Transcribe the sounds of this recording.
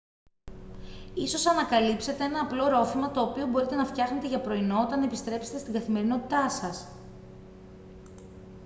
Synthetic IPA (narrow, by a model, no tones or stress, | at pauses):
iso̞sɐnɐkɐlipse̞t̪e̞enɐːplo̞ɾo̞fimɐt̪o̞ːpio̞bo̞ɾit̪e̞nɐft̪çɐxne̞t̪eʝɐpɾo̞ino̞ot̪ɐnɐepist̪ɾe̞pse̥t̪est̪iɡɐθime̞ɾino̞t̪i̥t̪ɐsɐs